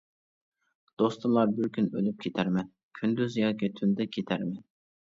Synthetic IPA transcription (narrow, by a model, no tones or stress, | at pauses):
d̪̥ost̪umlˠɑɾbɪɾkʲynølyp̚kʲʰet̪ʰæɾmɛn | kʲʰynd̪yzjɑːkʲit̪ʰynd̪ɛkʲʰet̪ʰæɾmɛn